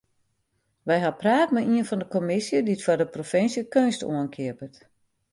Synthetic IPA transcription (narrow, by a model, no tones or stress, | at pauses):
ʋɛjɦapraːtmɛiənfɔndəkomɪsjəditfɔrdəprofɪnsjəkønsto̰ənkʰiəpət